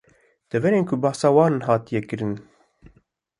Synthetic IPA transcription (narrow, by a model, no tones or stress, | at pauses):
d̪̥ɛvɛɾeːnkʰʊbɑːsɑːwɑːnɦɑːt̪ijɛkɨɾɨn